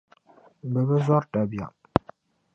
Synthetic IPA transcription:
m̩˨bə˨bə˦zɔ˦ɾta˨bja̰˨ʔ

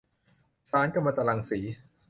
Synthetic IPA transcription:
saː˨˦nka˥˩maː˧t̪a˧la˧ŋsiː˩˦

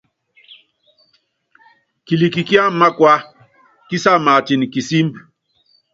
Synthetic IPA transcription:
ki˨li˨ki˨ki˦a˦m̩˦ma˦kwa˦ | ki˦sa˦˨ma˨ti˨ni˨ki˨si˦m

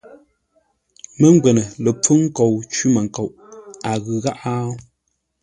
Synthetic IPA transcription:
mə˦ŋ˦ɡwɛ˨nə˨lə˨p͡fu˦ŋ̩˦ko˨wt͡ʃʉ˦ma˨ŋ˨ko˨wʔa˨ɣɯ˨ɣa˦ʔa˦

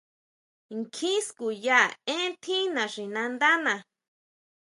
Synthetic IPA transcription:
ŋkʰĩ˦sku˨ja˦˨ẽ˦t̪ʰĩ˦nã˨ʂi˨nã˧nd̪a˦nã˨

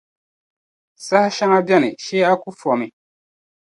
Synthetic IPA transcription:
sa˦hʃa˦ŋa˦bjɛ˦nɨ˨ʃɛː˦a˦ku˦fɔ˨mɨ˨

